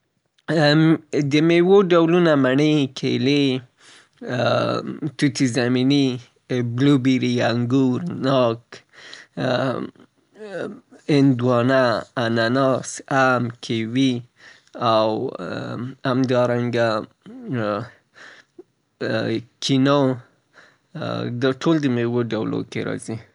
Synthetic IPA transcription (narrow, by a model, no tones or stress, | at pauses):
d̪əmewoɖawlunamaɳekʰḛle | t̪ut̪izamini | blubiɾiaŋɡuɾnɑk | ɪnd̪wɑnaːnanɑsamkʰewi | aw | hamd̪ɑɾaŋɡa | kʰino | d̪aʈʰold̪əmewoɖawlo̰kḛɾɑ̰zi